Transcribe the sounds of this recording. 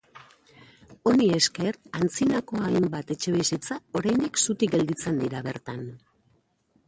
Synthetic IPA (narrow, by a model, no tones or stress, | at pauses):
o̞nie̞ske̞rant͡sinako̞ajmbat̪e̞t͡ʃe̞βisit͡sao̞ɾajnd̪iksut̪iɡe̞ld̪it͡se̞nd̪iɾaβe̞ɾt̪an